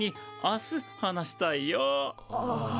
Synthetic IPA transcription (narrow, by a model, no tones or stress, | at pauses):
iasɨhanaɕi̥t̪aijo